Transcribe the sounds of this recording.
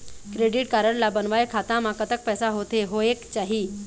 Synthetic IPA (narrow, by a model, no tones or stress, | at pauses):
kɾeɖiʈkaɾəɳlabənʋajkʰat̪ãmakət̪ək̚pɛsaɦot̪eɦoekt͡ɕaɦiː